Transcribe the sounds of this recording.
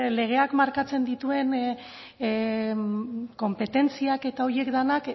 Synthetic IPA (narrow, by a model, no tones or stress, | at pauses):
le̞ɣ̞e̞akmaɾkat͡se̞nd̪it̪ue̞n | ko̞mpe̞t̪e̞nt͡siake̞t̪ao̞ɾie̞kd̪anak